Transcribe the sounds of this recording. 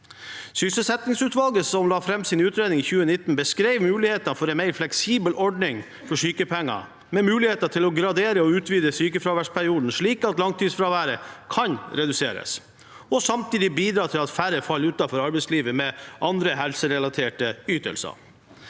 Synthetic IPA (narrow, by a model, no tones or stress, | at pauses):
sʏsəlsɛt̪nɪŋsʉːt̪ʋɑlɡəsɔmlɑːfɾɛmsɪnʉːt̪ɾeːd̪nɪŋɪçʉːənɪt̪n̩bəskɾeɪʋmʉːlɪheːt̪ɑnfɔɾɛnmæɪɾflɛksiːbəlʔɔɖɳɪŋ | fɔʂyːkəpʰɛŋːɑ̰ | mɛmʉːlɪheːt̪ɑʈʰɪlɔɡɾɑd̪eːɾəɔʉːt̪ʋiːd̪əsyːkəfɾɑʋæʂpʰæɾɪuːd̪n̩ʂɭiːkɑt̪lɑŋt̪ʰiːsfɾɑʋæːɾəkʰɑnɾɛd̪ʉseːɾə̰s | ɔsɑmt̪ʰiːd̪ɪbiːd̪ɾɑːt̪ʰɪlɑt̪fæɾəfɑlːʉːt̪ɑfɔɾɑɾbɛɪsliːʋəmɛʔɑnd̪ɾəɦɛlsəɾɛlɑt̪ʰeːʈəyːt̪ə̰lsə̰